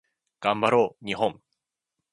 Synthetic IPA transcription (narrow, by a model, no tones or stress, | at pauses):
ɡ̥ãmbaɾoːɲ̟iɦõ̞ŋ